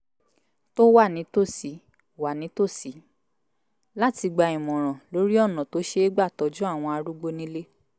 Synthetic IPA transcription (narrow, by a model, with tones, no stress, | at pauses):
to˦wa˦˨nĩ˨˦to˦˨si˨˦ | wa˨nĩ˨˦to˦˨si˨˦ | la˦ti˧ɡ͡ba˧ĩ˨mɔ̃˨ɾ̃ɔ̃˨lo˨˦ɾi˦ɔ˦˨nɔ̃˨to˨˦ʃe˧e˦ɡ͡ba˦˨tɔ˨˦d͡ʒũ˦a˦˨w̃ɔ̃˧a˧ɾu˦ɡ͡bo˦nĩ˦le˦